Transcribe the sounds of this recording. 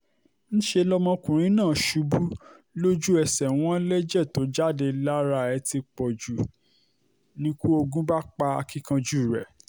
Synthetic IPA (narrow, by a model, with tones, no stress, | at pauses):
ñ̩˦ʃe˧lɔ˦mɔ̃˧kũ˨ɾ̃ĩ˨˦nãː˦˨ʃu˧˦bu˦ | lo˦d͡ʒu˦ɛ˧sɛ˨w̃ɔ̃˦lɛ˦d͡ʒɛ˦˨to˨˦d͡ʒa˦˨de˧la˦ɾa˧˨ɛ˧ti˧k͡pɔ˨d͡ʒu˨ | nĩ˧˦ku˦o˧ɡũ˦ba˦k͡pa˧a̰˧kĩ˦kã˧d͡ʒu˦˨ɾɛ˨